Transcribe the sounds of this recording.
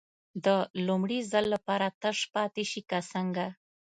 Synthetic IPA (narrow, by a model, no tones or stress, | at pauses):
d̪əlumɽizalːapɑɾat̪əʂpɑt̪eʃikasəŋɡa